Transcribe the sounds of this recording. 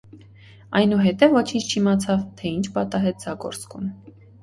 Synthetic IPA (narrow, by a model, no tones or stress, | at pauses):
ɑjnuɦɛt̪ɛvːɔt͡ʃʰint͡ʃʰt͡ʃʰimɑt͡sʰɑvt̪ʰɛint͡ʃʰbɑt̪ɑɦɛt̪̚d͡zɑɡɔ̰ɾt͡skʰum